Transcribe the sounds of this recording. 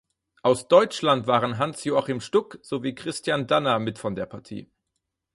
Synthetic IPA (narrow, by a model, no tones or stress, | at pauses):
ʔaʊsd̥ɔʏt͡ʃlantv̥aːʁənɦansjoːaχimʃtʊkz̥oviːkʁ̥ɪstʰjandanɐmɪtfɔndeːɐpʰaɐtʰḭː